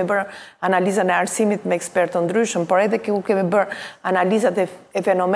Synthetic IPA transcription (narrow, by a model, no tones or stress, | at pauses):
bəɾanalizanɛaɾsimit̪mɛɛkspɛɾt̪ənd̪ɾyʃəmpɔɾɛðɛkɛukɛmibəɾanalizat̪ɛɛfɛnɔm